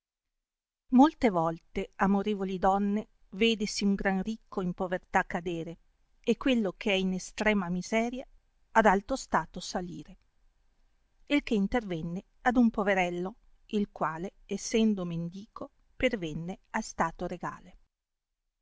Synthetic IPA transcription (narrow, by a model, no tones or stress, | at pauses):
molt̪evɔlt̪eamoɾeːvolid̪ɔnːe | veːd̪esiuŋɡɾanrikʰːoimpovert̪akːad̪eːɾe | ekːwelːok̟ʰeɛinest̪ɾɛːmamizɛːɾjaː | d̪alt̪ɾost̪aːt̪osaliːɾe | ilk̟eint̪ervɛnːe | ad̪umpoveɾɛlːo | ilkwaːleːsːɛnd̪omend̪iːkʰo | pervɛnːeast̪aːt̪oɾeɡa̰ːle